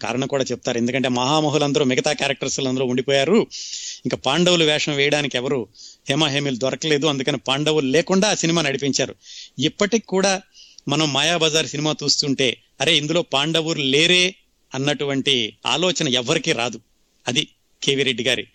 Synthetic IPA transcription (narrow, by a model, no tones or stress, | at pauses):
ka̰ːɾɐɳɐmkuːɽaːt͡ʃep̚ːut̪aːɾe̞nd̪ukɐɳʈ̬e̞ːmɐɦaːmɐɦulɐnd̪ɐɾoːmiɡɐt̪aːkaːɾɐk̚ʈɐɾsulɐnd̪ɐɾoːuɳɖipoːjaːɾuiŋkapaːɳɖɐwuluʋɛːʂɐ̃mʋɛːjɐɽaːnikiɛʋɐɾuheːmaːɦeːmiːlud̪ʋɐɾɐkɐle̞ːd̪uɐnd̪ukɐneːpaːɳɖɐʋuɾuleːkuɳɖaːsinimaːnɐɽipiɲt͡ʃaːɾuipːɐʈikkːuːɽaːmɐnɐmːaːjaːbɐd͡ʒaːɾsinimaːt͡ʃ̪uːst̪uɳʈe̞ː | ɐɾeːind̪ulo̞ːpaːɳɖɐʋuɾuleːɾeː | ɐnːɐʈuʋɐɳʈia̰ːlɔːt͡ʃɐnɐɛʋːɐɾikiːɾaːd̪u | ɐd̪i | kʰeːʋiɾeɖːiɡaːɾḭ